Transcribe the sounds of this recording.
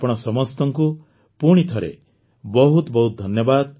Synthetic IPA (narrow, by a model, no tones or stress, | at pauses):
pɔɽ̃ɔsɔmɔst̪ɔŋku | puɽ̃it̪ʰɔɾḛ | bɔɦut̪bɔɦut̪̚d̪ʱɔnjɔbad̪